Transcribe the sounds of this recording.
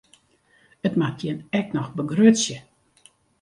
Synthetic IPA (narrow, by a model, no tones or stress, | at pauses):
ətmak̚jɪənɛknɔxbəɡrøtsjə